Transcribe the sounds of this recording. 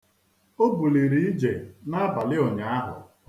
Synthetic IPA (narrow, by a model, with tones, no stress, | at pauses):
o˦bu˨li˨ɾi˨i˦d͡ʒe˨na˦a˦ba˨lɪ˦o˨ɲa˨˦a˦ɦʊ̰˨